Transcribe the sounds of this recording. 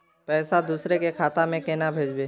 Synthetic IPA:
pɛːsad̪uːsɾekekʰaːt̪amẽkeːnabʱeːd͡ʒbeː

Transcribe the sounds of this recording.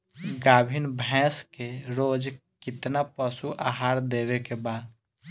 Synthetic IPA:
ɡaːbʱinbʱɛ̃ːskeɾoːd͡ʒkɪt̪napəsuʔaɦaːɾd̪eːwekebaːd̪

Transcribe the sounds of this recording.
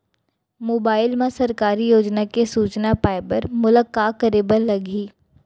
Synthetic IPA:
moːbaːɪlmẽsɐɾkaːɾijoːd͡ʒnakesuːt͡ʃnapaːɪbəɾmʊləkːaːkəɾeːbəɾlɐɡiː

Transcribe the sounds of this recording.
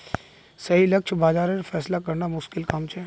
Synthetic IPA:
sɐɦilɐkʃʰbaːzaːɾɾfʰɛːslakɐɾnamʊʃkɪlkaːmt͡ʃʰɛ

